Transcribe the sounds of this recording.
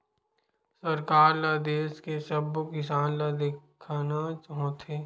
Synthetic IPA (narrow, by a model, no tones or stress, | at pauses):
səɾkaːɾlad̪eːskesɐbkɪsaːnlad̪eːkʰaːnat͡ʃaɦɔ̃t̪ʰeː